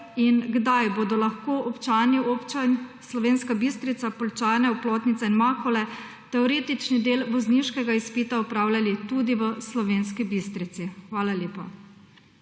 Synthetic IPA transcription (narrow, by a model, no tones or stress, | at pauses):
inɡd̪ajboːd̪ɔlaxkoːʔɔpt͡ʃaːniopt͡ʃanslɔʋeːnskabist̪ɾit̪sapɔlt͡ʃaːnɛuploːt̪nit̪sɛinmaːkɔlɛ | t̪ɛɔɾeːt̪it͡ʃnid̪eːlʋɔzniʃkɛɡaispiːt̪aɔpɾaːwlʲjalit̪ud̪iʋəslɔʋeːnskibist̪ɾit̪sixʋaːlalʲjeːpa̰